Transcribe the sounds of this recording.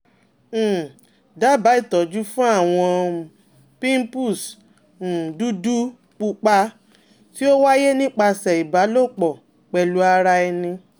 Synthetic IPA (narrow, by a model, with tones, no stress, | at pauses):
da˨˦˨ba˨˦i˦˨tɔ˨d͡ʒu˦fũ˦a˦˨w̃ɔ̃˧ | pĩ˦m˦pu˦˨s̩˨ | du˦du˦ | k͡pu˧k͡pa˧ | ti˦o˦wa˦je˦nĩ˦k͡pa˧sɛ˨i˨ba˨˦lo˦˨k͡pɔ˨ | k͡pɛ˨lu˨˦a˧ɾa˧ɛ˧nĩ˧